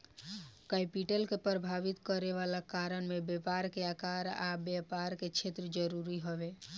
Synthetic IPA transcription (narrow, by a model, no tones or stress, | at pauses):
kajpiʈəlkepɾəbʱaʋit̪kəɾeʋalakaɾənmebjepaɾkeakaɾabjəpaɾket͡ʃʰet̪ɾəd͡ʒəɾuɾiɦəbe